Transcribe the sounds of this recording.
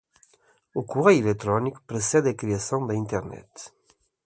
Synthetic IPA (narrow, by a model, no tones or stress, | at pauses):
ukuʁɛjilekt̪ɾɔnikpɾəsɛd̪ekɾiasɔ̃d̪əĩnt̪ɛʁnɛ̰t̪